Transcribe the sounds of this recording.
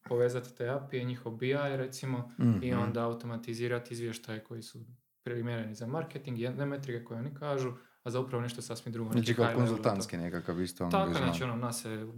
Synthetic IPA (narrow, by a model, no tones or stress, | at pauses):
po̞ʋe̞ːzat̪i̥t̪eapieɲixoʋbiajɾet̪simo̞io̞nd̪aːwut̪o̞mat̪iziːɾat̪izʋjeʃt̪ajeko̞jisu | pɾimʲjeɾenizamaɾket̪iŋɡiend̪emet̪ɾikeko̞jeonikaːʒu | azaupɾaʋo̞neʃt̪osasmid̪ɾuɡont͡ʃikakonzulˠt̪ant̪skinekakaʋist̪at̪akanat͡ʃɛononase